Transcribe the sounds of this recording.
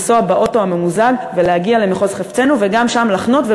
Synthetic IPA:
soabaʔo̞to̞ame̞muzaɡve̞lehaɡialemeχo̞zχeft͡se̞nuveɡamʃamlaχno̞tve

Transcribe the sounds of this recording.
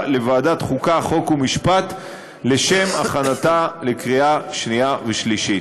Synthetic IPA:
le̞vaːdat̪χukaχo̞kumiʃpat̪ | le̞ʃe̞maχanat̪alekʁiaʃniaveʃliʃi

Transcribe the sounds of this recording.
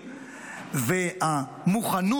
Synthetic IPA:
vea | muχanu

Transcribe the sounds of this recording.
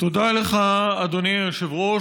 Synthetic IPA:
t̪od̪aleχaːd̪oniʃevʁo

